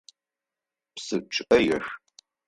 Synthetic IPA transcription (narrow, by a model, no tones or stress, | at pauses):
psɨt͡ʃʼɐjɛʃ